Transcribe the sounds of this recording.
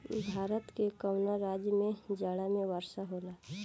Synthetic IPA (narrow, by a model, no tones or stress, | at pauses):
bʱaːɾət̪kekəwnaɾaːd͡ʒjəmẽd͡ʒaːɽamẽʋəɾʃaɦoːlaː